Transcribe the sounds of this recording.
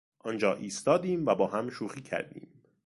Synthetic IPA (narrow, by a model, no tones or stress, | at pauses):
ʔɒːnd͡ʒɒːʔiːst̪ɒːd̪iːmvæbɒːɦæmʃuːxiːcʰæ̰ɾd̪ḭːm